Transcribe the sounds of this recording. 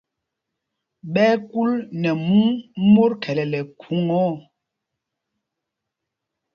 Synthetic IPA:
ɓɛː˦ku˦lnɛ˨mu˦mo˦ɾkʰɛ˨lɛ˨lɛ˨kʰu˨˦ŋɔ˦˨

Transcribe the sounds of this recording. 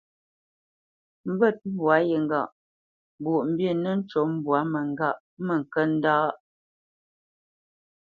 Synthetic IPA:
m̩˦bə˦˨t̚m̩˦bwa˨˦jə˨ŋ˨ɡa˦˨ʔ | bo˨ʔm̩˨bje˦˨nə˦n̩˦t͡ʃɔ˨˦m̩˦bwa˨˦mə˨ŋ˨ɡa˦˨ʔ | mə˨ŋ̩˨kə˦n̩˦daː˦ʔ

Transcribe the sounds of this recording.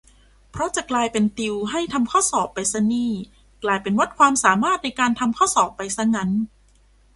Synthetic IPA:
pʰɾɔ˦˥t͡ɕa˨˩klaː˧jpe˧nt̪i˧wɦa˥˩jt̪ʰa˧mkʰɔː˥˩sɔː˨˩pːa˧jsa˧˥niː˥˩ | klaː˧jpe˧nwa˦˥t̪̚kʰwaː˧msaː˩˦maː˥˩t̪̚na˧jkaː˧nt̪ʰa˧mkʰɔː˥˩sɔː˨˩pːa˧jsa˦˥ŋa˦˥n

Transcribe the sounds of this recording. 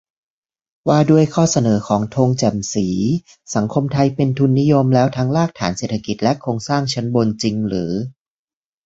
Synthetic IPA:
waː˧du˥˩əjkʰɔː˥˩sa˧nɤː˩˦kʰɔː˩˦ŋt̪ʰoː˧ŋt͡ɕɛ˨˩msiː˩˦ | sa˩˦ŋkʰo˧mt̪ʰa˧jpe˧nt̪ʰu˧nːi˦˥jo˧mlɛː˦˥wt̪ʰa˦˥ŋlaː˥˩k̚t̪ʰaː˩˦nse˨˩t̪ʰa˧ki˨˩t̪̚lɛ˦˥kʰɾoː˧ŋsaː˥˩ŋt͡ɕʰa˦˥nbo˧nt͡ɕi˧ŋɾɯː˩˦

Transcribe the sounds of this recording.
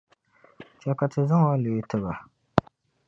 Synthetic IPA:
t͡ʃa˨ka˨tɨ˨zɨ˦ŋwa˦lo˨i˦tɨ˦ba˨

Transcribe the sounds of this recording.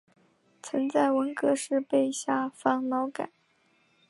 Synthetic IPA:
t͡sʰə˧˥ŋt͡sa˥˩ɪwə˧˥nkɤ˧˥ʂɻ̩˥˧pe˥˧ɪɕja˥˩fɑ˥˩ŋlɑ˧˥ʊka̰˨˩˦

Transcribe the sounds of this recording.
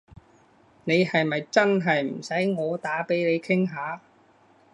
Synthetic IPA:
ne˨˧jhɐ˨jmɐ˨jt͡sɐ˥nɦɐ˨jm̩˨˩sɐ˨˥jŋɔː˨˧t̪aː˨˥pe˨˥jne˨˧jkʰɪ˥ŋɦaː˨˧

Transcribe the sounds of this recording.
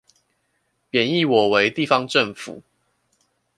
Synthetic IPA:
pjɛ˨˩ni˥˨wɔ˨˩we˨˦ɪt̪i˥˨fɑ˦ŋʈ͡ʂə˥˨ŋfṵ˨˦

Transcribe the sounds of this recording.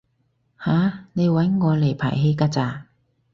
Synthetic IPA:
haː˨˧ne˨˧jwɐ˨˥jŋɔː˨˧le˨˩jpʰa̰ː˨˩jɦe˨˧jkaː˥t͡saː˨˧

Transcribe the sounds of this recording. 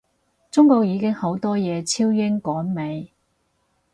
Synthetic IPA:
t͡sʊ˥ŋko˧k̚jiː˨˧kɪ˥ŋho˨˥wt̪ɔː˥jɛː˨˧t͡sʰiː˥wjɪ˥ŋkɔː˨˥nme˨˧j

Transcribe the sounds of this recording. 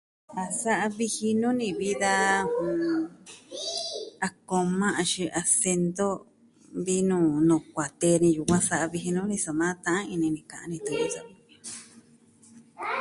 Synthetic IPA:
a˧sa˦ʔa˧βi˧hi˧nũ˦nĩ˧βi˦ða˧ũ˨ | a˧ko˧mã˦ʔa˧ʃi˧ʔa˧se˧nd̪o˦ | βi˦nũː˧˨nũ˨kʷa˨t̪e˧nĩ˧ju˨kʷã˦sa˧ʔa˧βi˧ɦi˧nũ˦nĩ˧so˨mãː˦t̪ã˧ã˦ĩ˧nĩ˧nĩ˧˨kã˨ã̰˧nĩ˧t̪u˧˨jũ˦so˧˨˧

